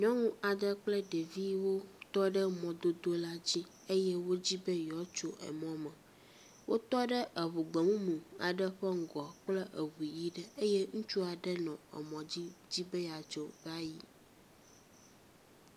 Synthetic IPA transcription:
ɲɔ̃˦ŋũ˦a˨d̪ə˦k͡plɛ˦ɖe˨vi˦wo˦t̪ɔ˦ɖə˦mɔ̃˨d̪o˦d̪o˦la˦d͡ʑi˦ | e˦jɛ˦wo˦d͡ʑi˦bə˦jɔ˨˦t͡ʃo˦ɛ̰˨mɔ̃˨˦mɛ˨ | wʔo˦t̪ɔ˦ɖə˦ʔə˨βu˨ɡ͡be˨mũ˦mũ˨a̰˨ɖə˦ɸɛ˦ŋ̩˨ɡɔ˨k͡plɛ˦ʔe˨wu˨i˨ji˦ɖɛ˦e˦jɛ˦ŋũ˦t͡ʃu˦a˨ɖɛ˦nɔ̃˨ɛ̰˨mɔ̃˨d͡ʑi˦d͡ʑi˦be˦ja˨t͡ʃo˦ba˦ji˨

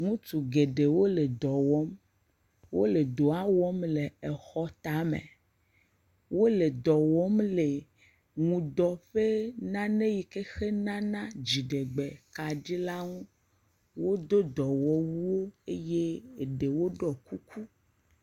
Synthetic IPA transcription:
ŋũ˦t̪u˨ɡe˨ɖe˨wo˦le˨d̪ɔ˨wɔ˦m | wo˦le˨d̪o˨a˦wɔ˦mle˨ɛ˨xɔ˦t̪a˨mḛ̃˨ | wo˦le˨d̪ɔ˨wɔ˦mle˨ | ŋũ˨d̪ɔ˨ɸe˦nã˦nẽ˦ji˨ke˦xe˦nã˦nã˦d͡ʑi˨ɖe˨ɡ͡be˨ka˨ɖi˦la˦ŋũ˦ | wo˦d̪o˦d̪ɔ˨wɔ˦wu˦wo˦e˦je˦e˨ɖe˨wo˦ɖɔ˨ku˦ku˦

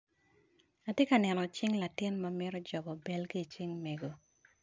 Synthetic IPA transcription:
a˨tje˦ka˨nɛ˨nɔ˨t͡ʃɪ˦ŋla˨tɪ˦nmɐ˦mɪ˦ɾɔ˦d͡ʒɔ˨bɔ˨bɛ˨lki˦˨t͡ʃɪ˦ŋme˨ɡo˨

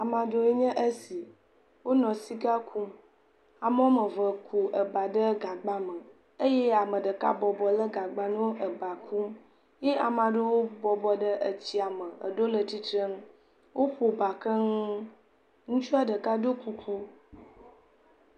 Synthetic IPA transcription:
a˨mã˨ɖo˦e˦ɲɛ̃˦ʔə˦si˨ | wo˦nɔ̃˨si˦ɡa˦kʰu˦m | a˨mə˦o˦mə̃˨və˨kʰu˨ʔə˨ba˨ɖə˦ɡa˨ɡ͡ba˦mə̃˨ | ə˦je˦a˨mə̃˨ɖə˨ka̰˦bɔ˨bɔ˨lə˦ɡa˨ɡ͡ba˨nũ˦wo˦ʔə˨ba˨kʰu˦m | je˦ʔa˨mã˨ɖə˦wo˦bɔ˨bɔ˨ɖə˦ʔə˨t͡ɕi˦a˨mə̃˨ə̰˨ɖo˦lə˨t̪i˦t̪ɾə˦m˦ | wʔo˦ɸo˨ba˨kə˦ŋ˦ | ŋũ˦t͡ʃu˦a˦ɖə˨ka˦do˦ku˦kʰu˦

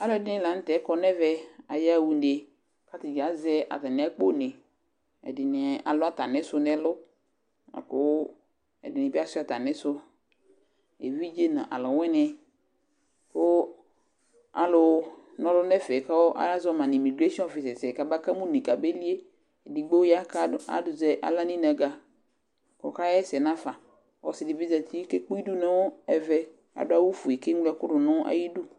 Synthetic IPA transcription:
a˦lʊ˦ɛ˨dɪ˦nɛ̃˦˨la˨n̩˦tɛ˨˦kɔ˦nɛ˦vɛ˦a˨ja˦˨wu˨n˦de˨ | ka˦tɪ˨ɡa˨˦zɛ˦ʔa̰˨ta˨nɛ˨˦a˦k͡po˦nɛ˨ | ɛ̰˨dɪ˨nɛ˨a̰˨lʊ˦a˦ta˨nɛ̃˦sʊ˦nɛ˨˦lʊ˦ | a̰˨kʊ˦ | ɛ̰˨dɪ˨nɪ˨bi˦a˦sʊ˦a˨ta˨nɛ̃˦sʊ˦ | ḛ˨vi˦d͡ʒe˦nã˨ʔa̰˨lʊ˨wɛ˦nɛ˨ | kʊ˦ | a̰˨lʊ˨˦ | nɔ̃˦lʊ˦nɛ˦fɛ˨ka˦wɔ˦ʔa̰˦la˦zɔ˦mã˨ni˨mi˨ɡɾe˦si˦ɔ̃˦ɔ˨fi˨sɛ˨sɛ˨ka˨ba˦ka˦mũ˦nĩ˨ka˨be˦li˦e˦˨ | di˨ɡ͡bo˦ja˦ka˦a̰˦dʊ˨zɛ˦ʔa̰˨la˦nĩ˦na˨ɡa˨ | kɔ˨ka˦jɛ˦sɛ˨nã˦fa˨ | wɔ˨sɪ˨dɪ˨bi˦za˨t̪ʰi˦ke˦k͡pu˦i˦du˦nɛ̃˦wo˦ɛ˨vɛ˦ | a̰˨dʊ˦a˦wu˦fu˨e˨ke˦ŋ˦lɛ˦kʊ˦dʊ˨nɔ̃˦ʔa̰˦ji˦du˦

